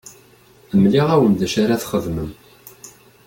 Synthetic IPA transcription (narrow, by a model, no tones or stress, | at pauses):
əmliʁæwəmd̪æʃaɾaθχəðməm